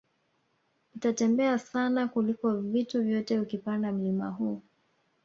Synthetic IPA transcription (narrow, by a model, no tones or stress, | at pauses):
nitatɛmbɛasanakulikɔvituvjɔtɛukipandam̩lima̰ɦuː